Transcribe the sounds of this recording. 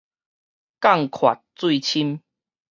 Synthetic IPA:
ka˥˨ŋkʰwa̰˨˩t̚t͡swi˥˧t͡ɕʰi˦m

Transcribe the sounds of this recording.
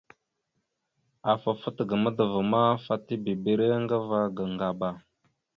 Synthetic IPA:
a˨fa˨fə˦tɡə˨mə˦də˨və˨ma˦fa˦ti˦bi˨be˨ɾe˦ŋɡə˦va˦ɡə˨ŋɡa˨ba˨

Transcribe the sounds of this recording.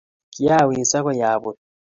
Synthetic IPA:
ki˦a˦˨wiː˨nsa˦kɔ˦jaː˨bo˨

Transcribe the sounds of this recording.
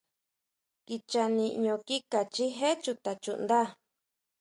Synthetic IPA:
ki˧t͡ʃa˧nĩ˧ʔɲõ˧ki˦ka˨t͡ʃi˦ɦe˦t͡ʃu˧t̪a˨t͡ʃṵ˧˨nd̪a˦

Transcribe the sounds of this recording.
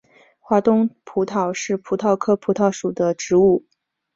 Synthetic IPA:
xwa˧˥t̪ʊ˥ŋpʰu˧˥t̪ʰɑ˨˩ʊʂɻ̩˥˩pʰu˧˥t̪ʰɑ˥˩ʊkʰɤ˥pʰu˧˥t̪ʰɑ˥˩ʊʂu˨˩d̪ə˦ʈ͡ʂɻ̩˧˥u˥˩

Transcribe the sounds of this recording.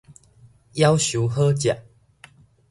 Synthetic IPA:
ja˦wɕu˨˦ɦə˦t͡ɕja˨ʔ

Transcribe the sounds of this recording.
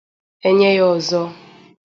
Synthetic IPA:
e˦ɲe˦jɔ˨zɔ˦

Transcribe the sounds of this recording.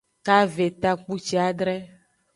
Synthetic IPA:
ka˦ve˨t̪a˦k͡pu˦t͡ʃi˦a˨ɖɾɛ˦

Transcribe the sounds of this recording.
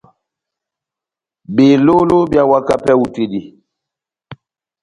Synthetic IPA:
be˨lo˦lo˦bja˨wa˦ka˦pɛ˦u˨te˨di˨

